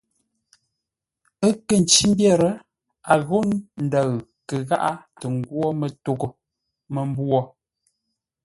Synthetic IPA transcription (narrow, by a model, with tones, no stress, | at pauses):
ə˦kə˨n̩˨t͡ʃi˦m˦bjɛ˦˨ɾə˨ | a˨ɣo˦nn̩˨də˨ɰ | kə˨ɣa̰˦ʔa˦tə˨ŋ˨ɡwɔ˦mə˨to˦˨ɡo˨ | mə˨m˦bwɔ˦˨